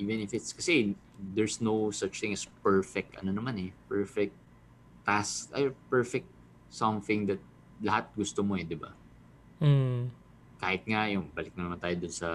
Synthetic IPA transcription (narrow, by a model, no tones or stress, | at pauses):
ʔiːvɛnɪfɪt̪skɐsɛ | d̪ɛɹsnowsɐt͡ʃt̪ɪ̃ŋɐspɛɹfɛk̚t̪ʔɐ̰nonɐmanɛpɛɹfɛk̚t̪ | t̪ːaskʔɐpɛɹfɛk̚t̪̚ | sɐmθɪ̃ŋd̪ɐt̪̚ | lɐhat̪̚ɡʊst̪omoɛd̪ɪba̰ | kaːhɪt̪̚ŋajʊŋbɐlɪk̚nɐnɐmant̪aːjod̪ʊnsɐ